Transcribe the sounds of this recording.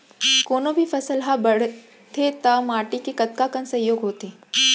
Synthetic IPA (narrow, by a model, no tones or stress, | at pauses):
konobʱiːfəsəlɦabəɽ | t̪ʰet̪əmaʈikikət̪̚kakənsəɦjoɡɦot̪e